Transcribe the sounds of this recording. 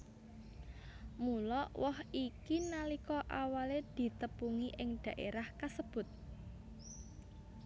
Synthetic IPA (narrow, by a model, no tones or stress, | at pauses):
mulɔʔwɔhikinalikɔʔawaled̪̥i̤t̪əpuŋiʔɪŋɖ̪̥ä̤ʔeɾahkasəb̥ʊ̤t̪̚